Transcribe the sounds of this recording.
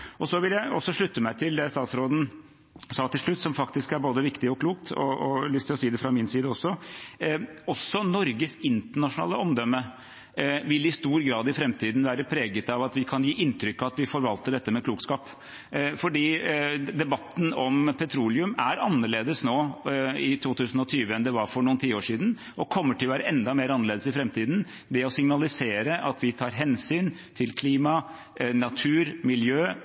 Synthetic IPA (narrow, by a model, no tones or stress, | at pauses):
ɔsɔʋɪljæɪɔ̰sːɔʂɭʉt̪ːəmæɪt̪ʰɪld̪ɛst̪ɑːt̪sɾoːd̪n̩ | sɑːt̪ʰɪlʂɭʉt̪ːsɔmfɑkt̪ɪskæɾboːd̪əʋɪkt̪ɪɔkʰluːkt̪ʰɔ̰ɔlʏst̪ʰɪlɔsiːd̪ɛfɾɑmɪnsiːd̪əɔsːɔ | ɔsːɔnɔɾɡəsɪnt̪əɳɑʂʊnɑ̰ːləɔmd̪œmːə | ʋɪlːɪst̪uːɾɡɾɑːd̪ɪfɾɛmt̪ʰiːd̪nʋæːɾəpʰɾeːɡət̪ɑʋɑt̪ʋɪkʰɑnjiːʔɪnt̪ʰɾʏkːɑt̪ʋɪfɔɾʋɑlt̪əɖɛt̪ːəmɛkʰluːkskɑːp | fɔɖiːd̪ɛbɑt̪ːn̩ɔmpʰɛt̪ʰɾuːlɪʉmæɾɑnːəɭeːd̪əsnoːɪt̪ʰuːt̪ʰʉːsn̩ɔt̪ʰyːʋəɛnd̪ɛʋɑɾfɔɾɳuːənt̪ʰiːoːʂiːd̪n | ʔɔkʰɔmːəʈʰɪlʋæːɾəʔɛnd̪ɑmeːɾɑnəɭeːd̪əsɪfɾɛmt̪ʰiːd̪n̩ | d̪ɛɔsɪŋnɑlɪseːɾəʔɑt̪ʰʋɪt̪ʰɑːɾɦɛnsyːnt̪ʰɪlkʰliːmɑ | nɑt̪ʰʉːɾmɪljøː